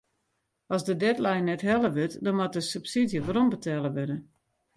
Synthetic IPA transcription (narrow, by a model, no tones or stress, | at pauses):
ɔsdədɛtlajnːɛtɦɛlˠəʋøtdɔnmat̚əsəpsidjəʋaɾɔmbətʰɛlˠəʋødə